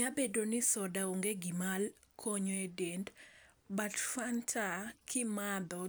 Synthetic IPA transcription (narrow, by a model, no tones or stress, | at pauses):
abedonɪsɔdaoŋɡeɡimal | kʰoɲoedend | batfantʰakʰɪmad̪ɔ